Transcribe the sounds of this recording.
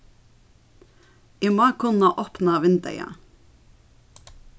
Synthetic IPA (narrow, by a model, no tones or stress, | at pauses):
ɪmɑːkʰʊnɑʔoːpnɑʋɪnd̪ə̰jɑ̰